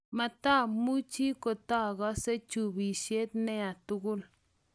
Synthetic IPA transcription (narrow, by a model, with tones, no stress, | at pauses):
ma˧t̪a˦mu˦t͡ʃi˦ko˧t̪a˦˨ɡa˦se˦t͡ʃu˧bi˨ʃje˦d̪ne˦a˨t̪u˧ɡu˦l